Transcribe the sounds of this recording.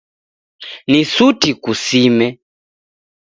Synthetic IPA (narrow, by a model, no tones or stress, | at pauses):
nisutikusimɛ